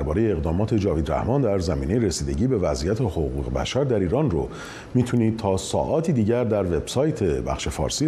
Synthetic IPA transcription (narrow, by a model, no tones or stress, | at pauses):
ɾbɒːɾe̞jeːɣd̪ɒːmɒːt̪ʰe̞d͡ʒɒːviːd̪ɾæ̰hmɒːnd̪æɾzæmiːne̞jeɾesiːd̪e̞̰ɟiːbe̞væzʔijæt̪ʰehoɣuːɣḛbæ̰ʃæɾd̪æɾiːɾɒːnro | miːt̪ʰuniːd̪̥̚t̪ʰɒːsɒ̰ːʔɒːt̪ʰiːd̪iːɟæɾd̪æɾve̞b̥sɒːjt̪ʰe̞bæ̰xʃe̞fɒ̰ːɾsi